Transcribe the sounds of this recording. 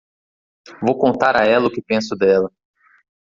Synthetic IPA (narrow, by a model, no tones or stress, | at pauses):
vowkõnt̪aɾaɛlɐʊkɪpẽsʊd̪ɛlɐ